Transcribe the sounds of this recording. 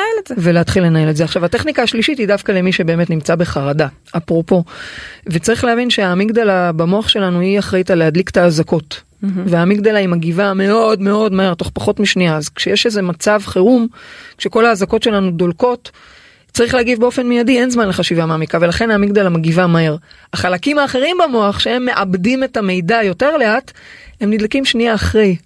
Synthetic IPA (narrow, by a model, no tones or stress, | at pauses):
elveleatχilːe̞nae̞letzeaχʃavate̞χnikaːʃliʃitidavkale̞miʃe̞be̞ːme̞tnimt͡sabe̞χaʁada | ʔapʁo̞po̞vet͡saʁiχlehavinʃeamiɡd̪alabamo̞aχʃe̞lanuiaχʁait̪aleɦadliktaːzako̞t | veamikd̪alaimaɡivame̞o̞dme̞o̞dmaeʁt̪o̞χpaχo̞tmiʃniaːzkʃejeʃeze̞mat͡savχeʁumkʃe̞ko̞laːzako̞tʃe̞lanudolko̞t | t͡saʁiχleːaɡivbeo̞fe̞nmijadienzmanleχaʃivameamikave̞laχe̞namiɡd̪alamaɡivamae̞ʁ | aχalakimaːχe̞ʁimbamo̞aχʃee̞mːe̞ʔabdime̞tame̞jdajo̞te̞ʁle̞athe̞mnid̪lakimʃniaːχʁej